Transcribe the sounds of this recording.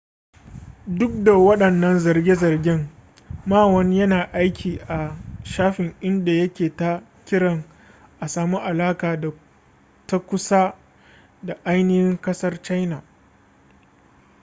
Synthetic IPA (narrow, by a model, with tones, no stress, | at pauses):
dʊ˦k̚da˨wɐ˦ɗɐ˨nːɐ˦nzɐ˨rɡʲe˦zɐ˨rɡʲɪ˦ŋ | maː˦wɐ˦ɲjɐ˦naː˨ʔa˦jkʲʰiː˨ʔa˨ʃaː˦ɸɪ˨ŋʔɪ˦nda˨jɐ˦kʲeː˨ta˦ | kʲɪ˦ɽɐ˨ŋ | ʔa˨saː˨mu˦ʔa˨laː˦kaː˨da˨ | ta˦kʷʊ˦sa˦ | da˨ʔa˦jnɪ˦hɪ˦ŋkɐ˦sɐ˦rt͡ʃa˦jna˨